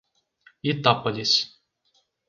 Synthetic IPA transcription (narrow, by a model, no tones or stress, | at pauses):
it̪apɐlʲisʲ